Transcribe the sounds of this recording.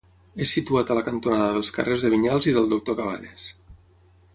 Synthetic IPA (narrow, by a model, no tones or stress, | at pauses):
esːit̪uat̪ələkənt̪unaðəðəlˠskə̰rʔezðəβiɲalˠziðəlˠd̪uk̚t̪okaβa̰nes